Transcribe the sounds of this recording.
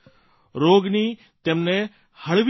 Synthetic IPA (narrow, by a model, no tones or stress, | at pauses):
ɾoːɡniː | t̪emnẽ | hɐɭʋ